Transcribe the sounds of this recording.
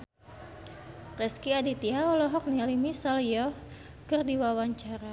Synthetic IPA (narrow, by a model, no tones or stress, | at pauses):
rɛskiadit̪iaɔlɔɦɔk̚nialimisalijɔf | kɨrdiwawaɲt͡ʃaɾa